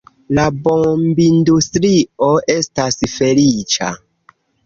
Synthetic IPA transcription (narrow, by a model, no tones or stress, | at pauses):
labombindustɾio̞e̞stasfe̞lit͡ʃa̰